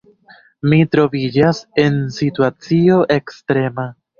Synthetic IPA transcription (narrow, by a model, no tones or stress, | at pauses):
mitɾo̞vid͡ʒase̞nsituat͡sio̞ʔe̞kstɾe̞ma